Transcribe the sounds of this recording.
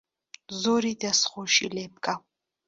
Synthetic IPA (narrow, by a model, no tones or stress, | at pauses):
zɔɾid̪asχɔʃḭlɛbkʼa